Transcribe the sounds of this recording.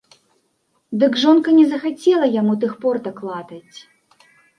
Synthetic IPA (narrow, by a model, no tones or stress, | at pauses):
d̪ɨɡʐɔnkɐnʲɛzɐxat͡sʲɛlˠɐjamut̪̬ɨxpɔrt̪ɐklˠat̪ɐt͡sʲ